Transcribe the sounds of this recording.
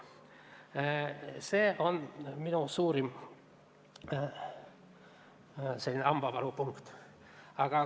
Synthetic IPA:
seːʔonminusuːɾim | selʲːineɑmb̥ɑʋɑɾupuŋkt̪ | ɑɡ̥ɑ

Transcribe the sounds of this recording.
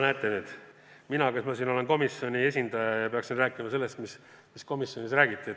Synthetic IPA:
næːt̪ːˑenyːd̪̥ | minɑkɑsmɑsino̞le̞nko̞misjo̞nʲie̞s̬ʲind̪̥ɑjɑjɑpe̞ɑksinræːkˑimɑse̞lːe̞st̪mis | misko̞misjo̞nisræːɡit̪ːˑie

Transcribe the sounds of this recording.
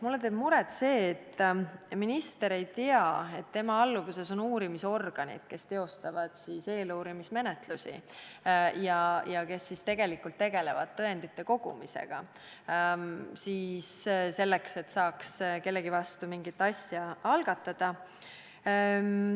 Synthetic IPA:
mulːet̪e̞ːb̥muɾet̪se̞ːt̪ːminist̪e̞ɾe̞jt̪iɑe̞t̪ːe̞mɑɑlːuvuse̞so̞nuːɾimiso̞rɡ̥ɑnʲḭd̪̥ke̞st̪e̞o̞st̪ɑvɑd̪̥siːse̞ːluːɾimisme̞net̪lusʲḭ | jɑjɑke̞sːist̪e̞ɡ̥e̞likːˑult̪ːe̞ɡ̥e̞le̞vɑ̰d̪̥̚t̪ːɤe̞nd̪it̪ːˑe̞ko̞ɡ̥ṵmḭse̞̰ɡ̥ɑ | siːsse̞lːe̞kse̞t̪ːsɑːkske̞lːe̞ɡivɑst̪umiŋɡit̪ːˑɑsʲjɑɑlɡ̥ɑt̪ːˑɑd̪̥ɑ

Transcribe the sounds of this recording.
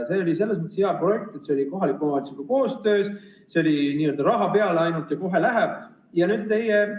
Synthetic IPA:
se̞ːolʲise̞lːe̞s̬mət̪esheɑpro̞je̞k̚t̪et̪se̞oliko̞ɦɑlikːˑomɑnsikuko̞ːst̪ø̞ːs | seo̞liniːø̞ld̪ɑɾɑɦɑpe̞ɑleɑjnult̪jɑko̞ɦe̞læɦeb̥̚ | jɑnyːd̪̥̚t̪e̞je

